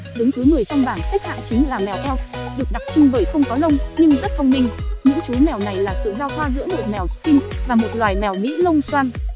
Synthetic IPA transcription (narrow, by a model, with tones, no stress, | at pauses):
ɗɨ˨˦ŋt͡ɕu˨˦jmɨ˨˩əjt͡ɕɔ˧wŋ͡mɓaː˧˩nxa˦˥k̚ha̰ː˧˨nt͡ɕï˨˦ŋ̟laː˨˩mɛ˨˩wʔɛ˧wɗɨ˨˩ək̚ɗa˨˩k̚t͡ɕï˧ŋvəː˨˩jxə˧wŋ͡mkɔ˨˦lə˧wŋ͡mɲɨ˧ŋzə˦˥t̚fʰə˧wŋ͡mmï˧ŋ̟ɲɨ̰˧˥ŋt͡ɕu˨˦jmɛ˨˩wna˨˩jlaː˨˩sɨ̰˧˨zaː˧wt̪ʰwaː˧zɨ̰˧˥nmo˨˩t̚mɛ˨˩wk̪i˧nvaː˨˩mo˨˩t̚lwaː˨˩jmɛ˨˩wmḭ˧˥lə˧wŋ͡mswaː˧n